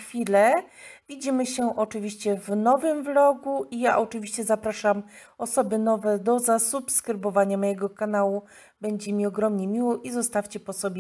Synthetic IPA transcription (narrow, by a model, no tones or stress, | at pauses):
xfʲilɛvʲid͡ʑimɘɕɛʔɔt͡ʂɘvʲiɕt͡ɕɛvnɔvɘmvlɔɡuʔijaʔɔt͡ʂɘvʲiɕt͡ɕɛzapɾaʂam | ɔsɔbɘnɔvɛd̪ɔzasupskɾɘbɔvaɲamɔjɛɡɔkanawu | bɛɲd͡ʑɛmʲiɔɡɾɔmɲɛmʲiwɔʔizɔst̪afʲt͡ɕɛpɔsɔbʲjɛ